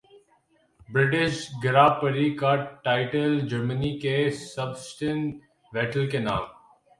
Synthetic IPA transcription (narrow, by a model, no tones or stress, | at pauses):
bɾɪʈɪʃɡɪɾaːpəɾikaʈʈːaːɪʈəld͡ʒəɾmənikesəbsʈẽnʈ | ʋɛːʈəlkena̰ːm